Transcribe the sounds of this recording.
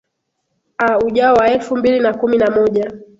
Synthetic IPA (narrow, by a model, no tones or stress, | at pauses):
auʄaɔwaɛlfumbilinakuminamɔʄa